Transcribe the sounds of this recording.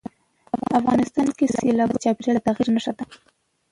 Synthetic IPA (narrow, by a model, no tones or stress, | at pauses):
aafɣɑnɪst̪ɑnkeselɑt͡ʃɑpɾaɽat̪aɣiɾnaʂad̪a